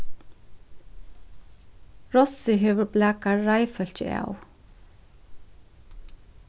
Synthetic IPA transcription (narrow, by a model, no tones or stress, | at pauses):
ɾɔsɪɦɛːʋʏɾblæːkaːajfœl̥t͡ɕɪ̰a̰w